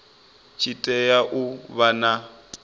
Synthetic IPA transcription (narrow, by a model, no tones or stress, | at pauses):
t͡ʃʰitʼɛjaʔuβana